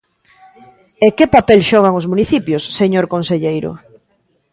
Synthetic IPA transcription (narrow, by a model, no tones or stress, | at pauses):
ekepapelʃɔɣ̞aŋozmuniθipjosːeɲoɾkonseʎejɾʊ̰